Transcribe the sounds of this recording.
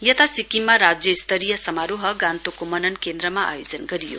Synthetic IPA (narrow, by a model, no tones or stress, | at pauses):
jʌt̪asikimːaɾad͡zjʌist̪ʌɾijʌsʌmaɾuɦʌɡãnt̪okomʌnʌnkend̪ɾʌmaa̰jod͡zʌnɡʌɾijo̰